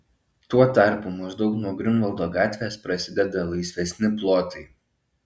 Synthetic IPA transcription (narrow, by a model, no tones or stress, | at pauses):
t̪uɔt̪ɑˑɾpuːˑmɐʒd̪ɒʊknuɔɡɾʲɪnʋɐlˠd̪oːɡɑːt̪ʲʋʲeːspɾɐsʲɪd̪ʲɛd̪ɐlˠɐɪsʲʋʲɛsʲnʲɪplˠoːt̪ɐɪ